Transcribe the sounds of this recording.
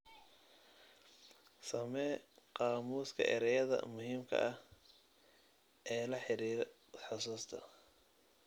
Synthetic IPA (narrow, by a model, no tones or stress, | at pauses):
sɐmɛːqɑːmuːskʰɐ̰ʔɪ̰ɾɛjɐðɐ̰mʊɦiːmkʰɐ̰ʔɐh | ʔɛːlɐħɪɾiːɾ | ħɑsuːst̪ʰɐ̰